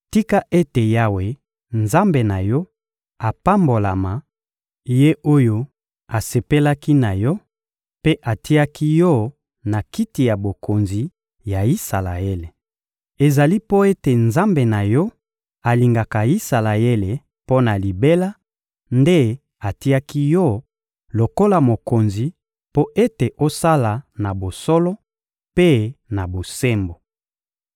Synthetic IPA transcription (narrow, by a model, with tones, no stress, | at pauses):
ti˦ka˦ʔe˦te˨ja˦we˨ | nza˦mbe˨na˨jɔ˦ | a˨pa˦mbo˨la˨ma˨ | je˦ʔo˦jo˦ | a˨se˨pe˦la˦ki˦na˨jɔ˦ | pe˦ʔa˨ti˦a˦ki˦jɔ˦ | na˨ki˦ti˨ja˨bo˨ko˨nzi˨ | ja˨i˦sa˨la˨e˦le˨ | e˨za˨li˦po˦e˦te˨nza˦mbe˨na˨jɔ˦ | a˨li˨ŋɡa˨ka˨i˦sa˨la˨je˦le˨ | po˦na˨li˨be˦la˦ | nde˦ | a˨ti˦a˦ki˦jɔ˦ | lo˨ko˦la˨mo˨ko˨nzi˨ | po˦ʔe˦te˨ʔo˦sa˦la˨na˨bo˨sɔ˦lɔ˦ | pe˦na˨bo˨se˦mbo˨